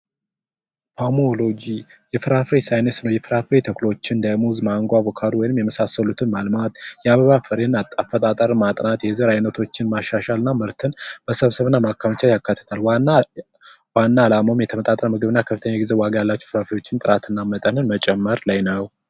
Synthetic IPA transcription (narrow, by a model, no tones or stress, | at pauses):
hʰomolo̞d͡ʒijɛfɨɾafɾesajnəsnəwjɛfɨɾafɾet̪ʰəklot͡ʃːɪnd̪əmuzmaŋɡʷabokʰad̪uwɔjnɨmjɛməsasːəlut̪ʰɨnmalmat̪jɛaβəβafɨɾenat̪ʼːafːət̪ʼat̪ʼəɾmat̪ʼnat̪jɛzəɾajnət̪ʰo̞t͡ʃːɪnmaʃaʃalɨnːamɨɾt̪ʰɨnb̥əsəβsəβɨnːamakːamt͡ʃʰajakːat̪ʰːə̥t̪ʰal | wanːaːlamomjɛt̪ʰəmət̪ʼat̪ʼəɾəmɨɡɨβɨnːakʰəfɨt̪ʰəɲːaɡizewaɡajalːat͡ʃːɛfɨɾafɾejo̞t͡ʃːɪnt̪ʼɨɾat̪ʰɨnːamət̪ʼənɨnmət͡ʃʼɛmːəɾlajnəw